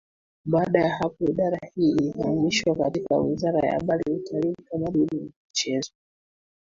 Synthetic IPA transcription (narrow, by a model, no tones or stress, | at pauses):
ɓaːɗajahapɔiɗaɾahiːilifamiʃwakatika̰wizaɾa̰ja̰ːɓaliutʰalim̩kamaɗiniamit͡ʃɛzɔ